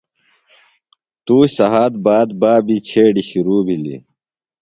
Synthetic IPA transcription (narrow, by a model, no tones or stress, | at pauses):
t̪uːsɐɦaːd̪̚baːd̪̚baːbit͡ɕʰeːɖiɕiɾuːbʱilḭ